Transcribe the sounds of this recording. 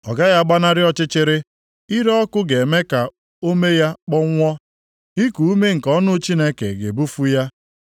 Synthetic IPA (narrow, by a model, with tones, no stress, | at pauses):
ɔ˨ɡa˦ja˦ɡ͡ba˦na˦ɾɪ˦ɔ˦t͡ʃɪ˦t͡ʃɪ˦ɾɪ˦ | i˦ɾɔ˦ɔ˦kʊ˦ɡe˨me˦ka˨ | o˦me˦ja˦k͡pɔ˦ŋʷɔ˦ | i˦ku˨u˦me˦ŋ̩˨kɔ˦nʊ˦t͡ʃi˦ne˦kḛ˨ɡe˨bu˦fu˦ja˦